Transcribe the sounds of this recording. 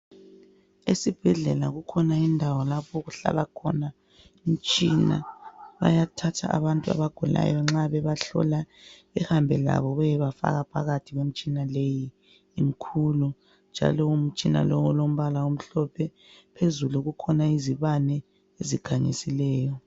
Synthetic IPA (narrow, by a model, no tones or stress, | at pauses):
esib̥ʱɛɮɛlaɣukʰɔnaindʱawɔlapʰɔɣuɬa̰lakʰɔ̰na | um̩t͡ʃʼina̰βa̰jatʰatʰa̰ʔaβantʼua̰βaɡ̥ʱula̰jɔŋ͡ǁaβɛβaɬɔ̰laβɛhambʱɛla̰βɔβɛjɛβafa̰ɣapʰa̰ɣatʰiɣwem̩t͡ʃʼinalejiː | m̩kʰulu | nd͡ʒʱa̰lɔum̩t͡ʃʼina̰lowulom̩βalaum̩ɬɔpʰɛ | pʰezuluɣukʰɔnaiziβanɛ | eziɡ̥ʱaɲḭsilɛːjɔ